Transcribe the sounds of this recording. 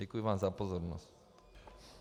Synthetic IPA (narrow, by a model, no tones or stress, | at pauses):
ikoimanzapozoɾnost̪